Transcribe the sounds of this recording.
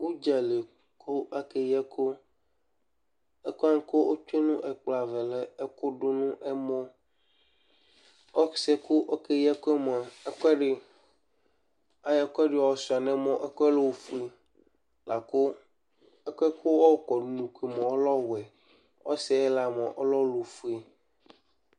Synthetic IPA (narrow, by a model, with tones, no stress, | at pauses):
wu˦d͡ʒa˨le˨ | kʰo˦a˦ke˦jɛ˦kʰo˦ | ɛ˦ko˦a˦ŋ̩˦ko˦ʔo˦t͡ʃu˦e˦nũ˦ʔɛ˨k͡pla˨vɛ˨lɛ˨ɛ˦ko˦ɖo˦nũ˦ʔɛ˦mɔ̃˦ | ɔ˦sɛ˦ko˦ʔɔ˦ke˦jɛ˦ko˦ɛ˦mɔ̃˨a˨ɛ˦kɛ˦ɖɪ˨ | a˦jɛ˦kɔ˦ɛ˦ɖi˨˦ɔ˨ɔ˨su˨a˨nɛ̃˦mɔ̃˦ʔɛ˦kɔ˦ɛ˦lo˦wfu˦e˦˨ | la˨ko˦ | ɛ˦kɔ˦ɛ˦kʰo˦wɔ˦kɔ˨n˨nũ˨kʷi˨mɔ̃˨o˦lɔ˦wɛ˨ | wɔ˦sɛ˦ɛ˦la˨mɔ̃˨ʔo˦lɔ˦lo˨fu˦e˨